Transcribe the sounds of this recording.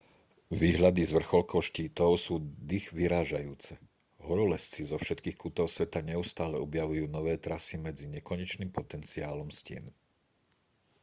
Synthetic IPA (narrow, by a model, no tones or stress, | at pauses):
ʋiːɦʎad̪izʋr̩xɔlkɔʊʃciːt̪ɔʊsuːd̪ixʋiɾaːʒajuːt͡sɛ | ɦɔɾɔlɛst͡sizɔfʃɛt̪kiːxkut̪ɔʊsʋɛt̪aɲɛust̪aːlɛɔbjaʋujuːnɔʋɛːt̪ɾasimɛd͡ziɲɛkɔɲɛt͡ʃniːmpɔt̪ɛnt͡siaːlɔmscɪɛ̰n